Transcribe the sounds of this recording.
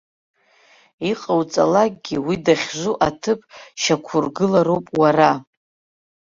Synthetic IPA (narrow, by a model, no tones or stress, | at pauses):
iqʼawt͡sʼa̰lak̚ɡʲiwidaχʲʒʷuʔatʰɨpʼʃakʷʰʊrɡɨlaɾowpʼwara